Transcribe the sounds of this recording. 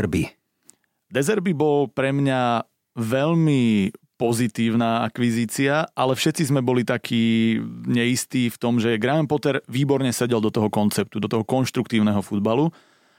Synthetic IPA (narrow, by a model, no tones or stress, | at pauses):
ɾbi | d̪ɛzɛɾbibɔlpɾɛmɲa | ʋɛʎmipɔzit̪iːʊnaːakʋiziːt͡siaalɛfʃɛt̪t͡sizmɛbɔlit̪akʰiːɲɛist̪iːft̪ɔmʒɛɡɾaɛmpɔt̪ɛɾʋiːbɔɾɲɛsɛɟɛld̪ɔt̪ɔɦɔkɔnt͡sɛp̚t̪ud̪ɔt̪ɔɦɔkɔnʃt̪ɾuk̚t̪iːʊnɛɦɔfud̪balu